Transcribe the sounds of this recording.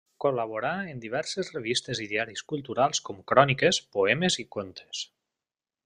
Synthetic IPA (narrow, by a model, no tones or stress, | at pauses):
kolaβoɾaend̪iβ̞ɛɾsezreβ̞ist̪eziðiaɾiskulˠt̪uɾalˠskomkɾɔnikespoɛmezikont̪ʰe̥s